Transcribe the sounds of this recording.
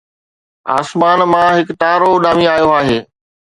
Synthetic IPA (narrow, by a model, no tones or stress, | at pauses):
a̰ːsmaːnmãɦɪkt̪aːɾoɗaːmĩaːjoaːɦeː